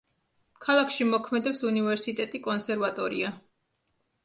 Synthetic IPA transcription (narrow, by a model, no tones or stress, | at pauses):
kʰalˠakʰʃimɔkʰmɛd̪ɛpsunivɛɾsit̪ʼɛt̪ʼikʼɔnsɛɾvat̪ʼɔɾḭa